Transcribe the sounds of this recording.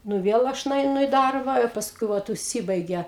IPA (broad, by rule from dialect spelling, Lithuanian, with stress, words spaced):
ˈnʊ ˈʋʲiɛlˠ ˈɐʃ nʊɛɪˈnʊ ɪ ˈdɐrbɐ ɪ pɐsˈkʊɪ ˈʋɐt ʊʃʲˈsʲɪbɐɪɡʲɛ